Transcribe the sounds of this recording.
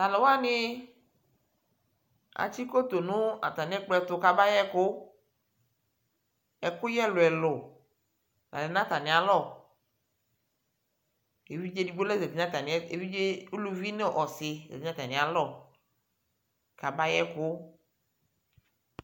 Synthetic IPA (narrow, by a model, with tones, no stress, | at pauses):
la˨le˨wa˦nɪ˦ | a̰˨t͡ʃi˦ko˦t̪o˨nʊ̃˦a̰˨t̪a˨nɪ̃˦ɛ˦k͡plɔ˦ɛ˨t̪ʊ˦ka˨ba˦jɛ˦kʊ˦ | ɛ˨kʊ˦jɛ˦lʊ˨ɛ˨lʊ˨ | la̰˨lɪ˨n˦ã˦t̪a˨nɪ̃˨a˨lɔ˦˨ | e˨vi˦d͡ʒe˦di˨ɡ͡bo˦lɛ˦ze˨di˨˦nã˦t̪a˨n˨˦e˨vi˦d͡ʒe˦u˦lu˨vi˦ne˦˨ʔɔ˨sɪ˨zḛ˨di˦nã˦t̪a˨nɪ̃˨a˨lɔ˦˨ | ka˨ba˦jɛ˦kʊ˦